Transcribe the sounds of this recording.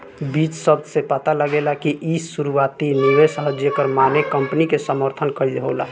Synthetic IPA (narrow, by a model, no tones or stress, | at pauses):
biːt͡ʃsəb̚d̪ʱsepət̪aləɡelakiʔissuɾuwaːt̪inewesəɦəd͡ʒjəkəɾmanekəmpnikesəməɾt̪ʰənkəɾidɦola